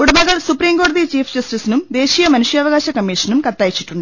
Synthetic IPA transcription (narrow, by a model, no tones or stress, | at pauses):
uɽɐmɐɣɐɭsupɾiːmɡoːɽɐðit͡ɕiːfʰd͡ʑɐsʈisinumd̪e̞ːɕiːjɐmɐnuʂjɐːʋɐɡaːɕɐkɐmːiːʂɐnumkɐt̪ːaːjit͡ɕːi̥ʈːuɳɖɨ